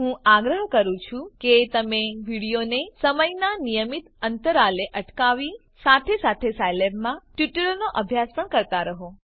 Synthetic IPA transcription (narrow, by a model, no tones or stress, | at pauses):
ɦũaɡɾəɦkəɾũt͡ʃʰũket̪əmeʋiɽijonesəməjnanijəmit̪ənt̪əɾaleʔəʈkaʋi | sat̪ʰesat̪ʰesajlebmãʈjiʈəɾonoʔəbʱjaspəɳkəɾt̪aɾəɦo